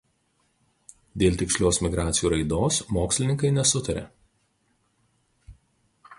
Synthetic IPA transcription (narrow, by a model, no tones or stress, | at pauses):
d̪ʲeːlʲt̪ʲɪksʲlʲoːsmʲɪɡɾɑːt̪sʲjuːɾɐɪd̪oːsmoːksʲlʲɪnʲɪŋkɐɪnʲɛsʊt̪ɐɾʲḛː